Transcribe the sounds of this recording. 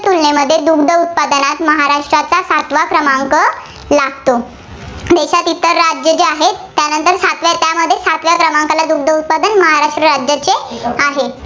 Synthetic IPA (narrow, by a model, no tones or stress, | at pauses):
t̪ulneməd̪ʱːjed̪uɡd̪ʱəut̪̚pad̪ənat̪məɦaɾaʂʈɾat͡sasat̪ʋakɾəmaŋkə | laɡt̪o | d̪eɕat̪it̪ːəɾːad͡ʑjət͡ɕeaɦeːjanənt̪əɾsat̪ʋat̪jaməd̪ʱːjesat̪ʋjakɾəmaŋkalad̪uɡd̪ʱəut̪̚pad̪ənməɦaɾaʂʈɾəɾad͡ʑjət͡seaɦe